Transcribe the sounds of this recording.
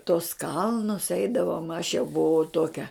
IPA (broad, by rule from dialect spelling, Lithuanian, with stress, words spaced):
toːs ˈkɐlˠnʊs ˈɛɪdɐʋoːm ɐʃ jɛʊ bʊˈʋɐʊ ˈtoːkʲɛ